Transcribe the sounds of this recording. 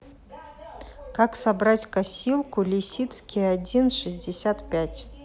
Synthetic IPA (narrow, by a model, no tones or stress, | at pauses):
kaksabɾatʲkasʲilˠkʊlʲɪsʲit̪skʲɪjadʲinʂɨzʲdʲɪsʲat̪pʲætʲ